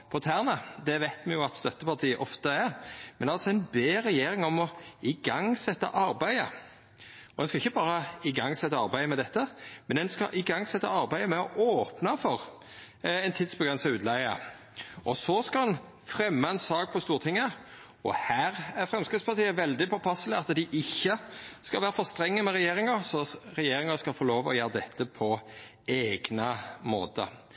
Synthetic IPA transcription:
pʰɔt̪ʰæːʁnəd̪ɛʋæɪt̪mɛjʊɑt̪st̪œt̪ːəpɑt̪ʰiːəʔɔft̪əɛɾmɛnd̪ɛɑlsɔɛɪnbeːɾɛjeːɾɪŋɔmɔɪɡɑŋsɛt̪ːɑ̰ʔɑɾbæɪə̰ | ɔd̪ɛnskɑɪçːəbɑːɾəɪɡɑŋsɛt̪ːɑɑɾbæɪəmɛd̪ɛt̪ːəmɛnd̪ɛnskɑ̰ʔɪɡɑŋːsɛt̪ːəɑɾbæɪəmɛɔʔoːpnɑfɔʁ | ɛnt̪ʰɪd̪sbəɡʁɛnsɑʉːd̪læɪə̰ | ʔɔsɔskɑɑn | fɾɛmːəɛnsɑːk̚pʰɔst̪uːɾt̪ʰɪŋːə | ɔhæːʁæɾfɾɛmskɾɪt̪spɑɾt̪ʰiːəʋɛld̪ɪpʰɔpʰɑsːələɑt̪ːd̪ɪʔɪçːəskɑlʋæːɾəfɔʁst̪ɾɛŋːəmɛʁɛjeːɾɪŋɑsɔɾɛjeːɾɪŋɑskɑlfɔloːʋɔ̰jøːɾəd̪ɛt̪ʰːəpʰɔ | eːɡnəmo̰ːt̪ə̰

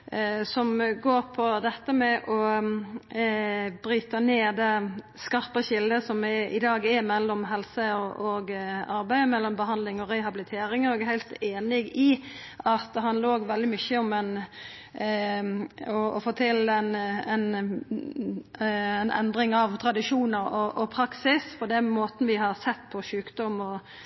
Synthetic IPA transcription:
sɔmɡoːɾpʰɔd̪ɛt̪ːəmɛʔɔ | bɾyːt̪əneːd̪ɛ | skɑɾpəçɪld̪əsɔmɪɪd̪ɑːɡɛmɛlːɔmɦɛlsəɔʔɔɡɑɾbæɪəmɛlːɔmbəɦɑnd̪lɪŋɔɾɛhɑbɪlɪt̪ʰeːɾɪŋɔɛɡɦæɪlt̪eːnɪɡɪ | ʔɑt̪ɦɑnləɾoːɡʋɛld̪ɪmʏçəɔmɛn | ɔɔfoːt̪ʰɪlɛnɛn | ɛnʔɛ̰nd̪ɾɪŋɑʋt̪ʰɾɑd̪ɪʂuːnəɾɔʔɔpʰɾɑksɪspʰɔd̪ɛnmoːt̪n̩ʋɪhɑɾsɛt̪ːpʰɔʃʉːkd̪ɔmɔ

